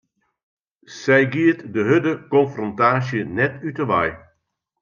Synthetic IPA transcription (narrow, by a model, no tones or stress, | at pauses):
sɛjɡiətdəɦødəkɔnfrɔntaːsjənɛtytəʋa̰j